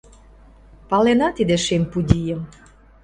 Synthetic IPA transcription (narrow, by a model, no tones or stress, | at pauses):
pɑlenɑt̪id̪eʃempud̪ʲijə̆m